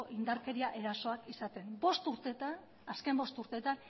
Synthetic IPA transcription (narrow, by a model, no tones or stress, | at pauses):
oʔind̪aɾke̞ɾiaʔe̞ɾaso̞akisat̪e̞nbo̞st̪uɾt̪e̞t̪an | aske̞mbo̞st̪uɾt̪e̞t̪an